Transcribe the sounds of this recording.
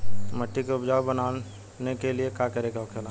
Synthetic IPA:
mɐʈːikeʊbd͡ʒaːwbɐnaː | nekeliekakɐɾekeokʰela

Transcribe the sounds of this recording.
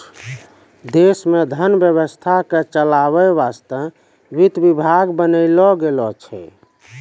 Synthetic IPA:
d̪esmed̪ʱənbjəβəst̪ʰaket͡ʃəlaβɛʋast̪ə | ʋit̪bibʱaɡbənəɪlɔɡelɔt͡ʃʰɛ̰

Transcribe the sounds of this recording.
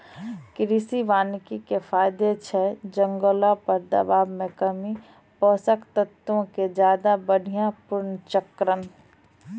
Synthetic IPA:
kɾiːsiʋaːnkikefaːɪd̪et͡ʃʰɛːd͡ʒə̃ŋɡoːlapɐɾd̪ɐ̰baːbmẽkəmi | pɔːsəkt̪ət̪õked͡ʒjaːd̪abəɽ̤ʱijãpʊɾnt͡ʃəkɾən

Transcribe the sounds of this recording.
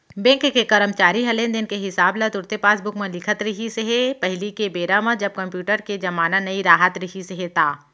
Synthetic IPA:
bɛ̃ːŋkːekɐɾəmt͡ʃaːɾiɦɐlẽːnd̪ɪnkeɦɪsaːblat̪ʊɾt̪epaːsbʊkmɐ̃lɪkʰət̪ɾɐɦiseɦepɐɦlikebeːɾamãd͡ʒɐb̚kɐ̃mpjuːʈəɾked͡ʒɐmaːnanɐiɾaːɦət̪ɾɐɦiseɦet̪aː

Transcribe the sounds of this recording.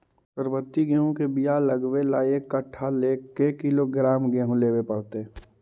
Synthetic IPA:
pəɾbət̪ːiɡeɦõkebijaləɡʋelaːjekːəʈʰːaleːkekɪloɡɾaːmɡeɦõleːʋepəɽt̪e

